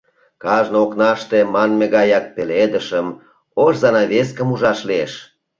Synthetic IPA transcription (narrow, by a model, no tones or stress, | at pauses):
kɑʒnooknɑʃt̪emɑnmeɣɑjɑk̚peled̪əʃəm | oʃzɑnɑβes̬kəmuʒɑʃlieʃ